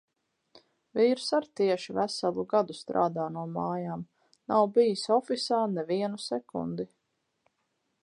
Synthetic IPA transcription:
viːɾsaɾt̪iɛʃivæsalˠuɡad̪ust̪ɾa̰ːd̪aːnuɔmaːjaːm | nawbijisɔfisaːnɛviɛnusɛkṵnd̪i

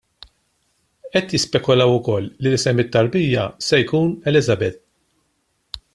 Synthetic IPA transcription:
ʔɛt̪jɪspɛkːɔlɐwʊkɔlːilɪsɛmːɪt̪ːɐɾbiːjːɐsɛjkuːnɛlɪzɐbɛt̪̚

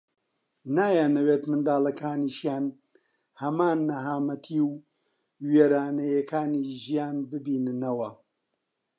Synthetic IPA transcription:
naːjaːnɐweːt̪mɨnd̪aːlɐkʰaːniːʃjaːn | hɐmaːnːɐɦaːmɐt̪ʰiːw | weːɾaːnɐjɐkʰaːniːʒijaːnbɨbiːnɨnɐwɐ

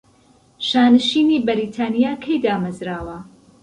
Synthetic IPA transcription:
ʃaːnɨʃiːniːbɐɾiːt̪ʰaːnijaːkʰɐjd̪aːmɐzɾaːwɐ

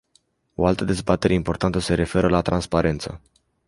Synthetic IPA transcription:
o̞alt̪əd̪e̞zbat̪e̞ɾʔeimpo̞rt̪ant̪əse̞ɾe̞fe̞ɾəlat̪ɾanspaɾe̞nt̪sə̰

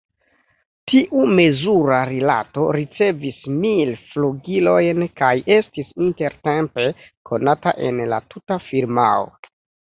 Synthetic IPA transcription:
tiʔume̞zuɾaɾila̰to̞̰ɾit͡se̞vismilfloɡilo̞jnkajʔe̞stisinte̞ɾte̞mpe̞ | ko̞nataʔe̞nla̰tutafiɾma̰o̰

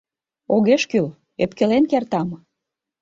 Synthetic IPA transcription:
oɣeʃkyl | epkĕlenkert̪ɑm

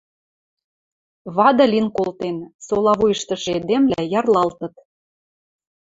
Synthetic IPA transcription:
βɑd̪ɤ̆lʲinkolt̪ensolɑβujəʃt̪ɤ̆ʃed̪emlæjɑrlɑlt̪ɤ̆t̪

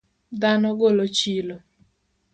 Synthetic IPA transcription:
d̪anɔɡolot͡ʃilo

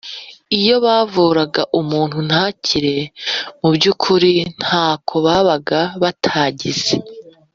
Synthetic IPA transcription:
ijo̞βaːvuːɾaɡaʔumuːn̥hun̥haːcʰiɾe̞mubɟukʰuɾin̥haːkʰo̞βaːβaɡaβatʰaːɟiz̥e

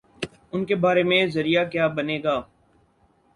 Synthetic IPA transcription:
ʊnkebaːɾemẽzɐɾijakjaːbɐneːɡaː

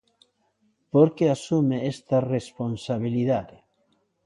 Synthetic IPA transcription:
poɾkeasumeest̪ɐresponsaβ̞iliðaðɪ

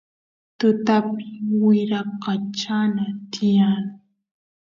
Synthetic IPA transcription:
t̪ʊt̪apɪwɪɾɑqɑt͡ʃanat̪ɪjaŋ

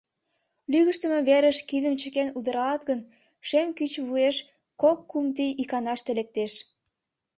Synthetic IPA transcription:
lyɣəʃt̪əmeβeɾəʃkid̪əmt͡ɕə̆kenud̪əɾɑlɑt̪ɣən | ʃemkyt͡ɕβueʃ | kokːumt̪ijʔikɑnɑʃt̪elek̚t̪eʃ

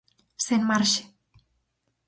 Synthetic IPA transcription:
senmaɾʃe̥

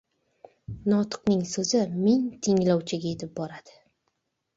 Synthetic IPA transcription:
nɒt̪ʰɨ̥qnɪŋsɵzɪmɪŋt̪ʰɪŋlɒwt͡ʃʰɪɡʲae̞t̪ʰɪp̚bɒɾad̪̥ɪ̥

